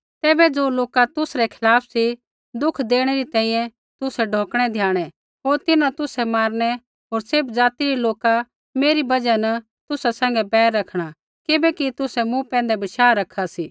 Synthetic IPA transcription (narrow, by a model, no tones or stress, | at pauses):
t̪ɛːbɛd͡zoːloːkat̪ʊsɾɛkʰɪlaːpʰsi | d̪ʊkʰd̪eːɽ̃ɛɾit̪ɛ̃ːĩjɛ̃ | t̪ʊsɛɖʱõːkɽ̃ɛd̪ʱjaːɽ̃ɛ | ɦoːɾt̪ɪnãt̪ʊsɛmaːɾɽ̃ɛ | ɦoːɾsɪbd͡zaːt̪iɾiloːka | meːɾibɐd͡ʒanɐ | t̪ʊsasɛ̃ːŋ̆ɡɛbɛːɾːɐkʰɽ̃a | kɪbɛkit̪ʊsɛmũpɛ̃ːn̆d̪ɛbɐʃaːɾɐkʰasiː